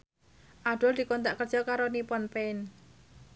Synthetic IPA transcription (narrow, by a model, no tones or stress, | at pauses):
ʔaɖ̥ɔld̪̥i̤kɔnt̪̬aʔkərdd͡ʒ̥ɔkaɾonipɔnpen